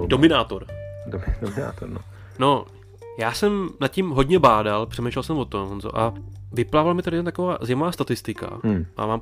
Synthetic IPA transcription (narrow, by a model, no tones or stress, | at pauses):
domɪnaːt̪oɾdoɪdomɪna̰ːt̪oɾno | no | jaːsɛmnat̪cimɦo̞dɲɛbaːdalpr̝̥ɛmɛjʃlɛlsɛmvo̞t̪omnzo̰ʔavɪplaːvalmɪt̪adɪɛnt̪akovaːzɪmavaːst̪at̪ɪst̪ɪka̰a̰maːm